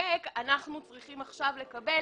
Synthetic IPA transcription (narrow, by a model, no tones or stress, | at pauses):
ekanaχnut͡sʁiχimaχʃavle̞kabe